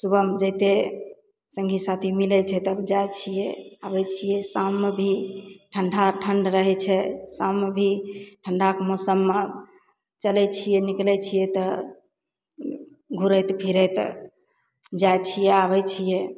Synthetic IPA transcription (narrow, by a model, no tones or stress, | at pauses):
subəmd͡ʒɛt̪e | sə̃ŋɡʱisat̪ʰimilɛt͡ʃʰɛt̪əbd͡ʒajt͡ʃʰijɛabɛt͡ʃʰijɛsamːebʱiʈʰəɳɖʱaʈʰəɳɖɾəɦɛt͡ʃʰɛsãmːebʱiʈʰəɳɖʱakmosəmːe | t͡ʃəlɛt͡ʃʰijɛniklɛt͡ʃʰijɛt̪ɔ | ɡʱuɾəjt̪pʰiɾɛjt̪ | d͡ʒajt͡ʃʰijɛaβɛt͡ʃʰijɛ